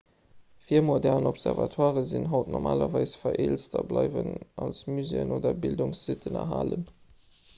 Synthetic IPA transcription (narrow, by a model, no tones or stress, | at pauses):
fiːəɐmodɛʁnɔpsɛʁvɑtʰwaːʁəzinɦɑʊtnɔmʔaːlɐvɑɪsfɐʔeːlstʰɐblɑɪvənɑlsmyzeːənoːdɐbildʊŋsz̥itʰənɐ̰ɦaːlən